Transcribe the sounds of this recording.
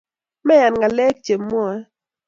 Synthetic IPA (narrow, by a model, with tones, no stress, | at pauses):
mɛ˦ja˨nŋa˨lɛ˦k̚t͡ʃe˨mː˦ɔ˦ɛ˦